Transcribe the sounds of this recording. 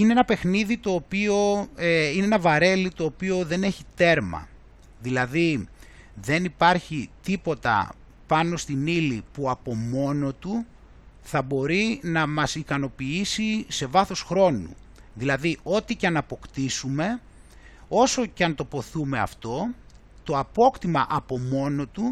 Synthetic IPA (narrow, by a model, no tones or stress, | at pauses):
ine̞enɐpe̞xniðit̪o̞ːpio̞eineenɐvɐɾe̞lit̪o̞ːpio̞ðe̞ne̞çit̪e̞ɾmɐ̰ | ðilɐði | ðe̞nipɐɾçit̪ipo̞t̪ɐ̰ | pɐno̞st̪inilipuɐpo̞mo̞no̞t̪u | θɐbo̞ɾinɐmɐsikɐno̞piisise̞vɐθo̞sxɾo̞nṵ | ðilɐðiʔo̞t̪iceɐnɐpo̞kt̪isume̞ | o̞so̞cɐnt̪o̞po̞θume̞ɐ̰ft̪o̞ | t̪o̞ɐpo̞kt̪imɐʔɐpo̞mo̞no̞t̪u